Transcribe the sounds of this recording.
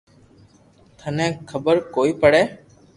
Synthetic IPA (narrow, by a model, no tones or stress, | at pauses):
t̪ʰənẽːkʰəbəɾkoːiːpəɽeː